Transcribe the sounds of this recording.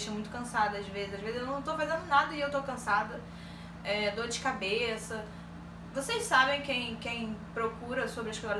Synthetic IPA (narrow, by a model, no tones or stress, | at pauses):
ʃɐ̃mũj̃t̪ʊkɐ̃sad̪ɐazvezɪzaʒvezɪzewnɐ̃w̃t̪ofazẽnd̪ʊnad̪ɐɪewt̪okɐ̃sad̪ɐ | ɛd̪od͡ʒɪkabesɐ | vosejssabẽj̃kẽj̃kẽj̃pɾokuɾɐsobɾɐʃkaɾ